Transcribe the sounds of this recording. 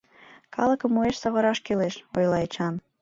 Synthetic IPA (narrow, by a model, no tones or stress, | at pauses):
kʰɑləkəmːueʃsɑɣə̆ɾɑʃkeleʃojlˠɑet͡ɕɑn